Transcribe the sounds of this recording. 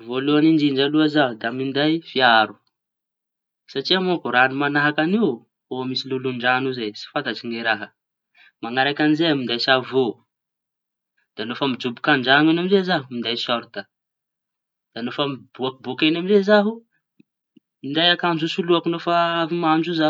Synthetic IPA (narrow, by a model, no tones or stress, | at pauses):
voluanind̪iɳd͡ʒaluazaɦud̪amind̪ajfiaɾu̥ | saʈ͡ʂiamokuɾanumanaɦakaniw | omisiluluɳɖ͡ʐanuzajsi̥fant̪at͡ʃiŋeɾaɦə | maŋaɾakʲanizeamind̪ajsavo | d̪̥anofəmid͡ʒubikaɳɖ͡ʐaŋenamizezaɦumind̪ajsɔɾt̪ə | d̪̥anofəmib̥uakubokenamizezaɦu | mind̪ajakand͡ʒusuluakinofaavimand͡ʒuza